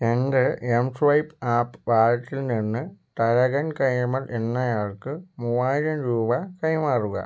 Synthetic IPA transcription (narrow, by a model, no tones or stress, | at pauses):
end̪ɨemʂʋɐjpaːpːʋaːɾɐt̪ːilninːɨt̪ɐɾɐɣɐnkɐjmɐlʔe̞nːɐjaːɭkɨmuʋaːjiɾɐmɾuːbɐkɐjmaːruɣɐ̰